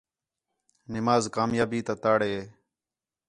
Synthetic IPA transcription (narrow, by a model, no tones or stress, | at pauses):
nɪmaːzkaːmjaːbiːt̪ãːt̪aːɽeːeː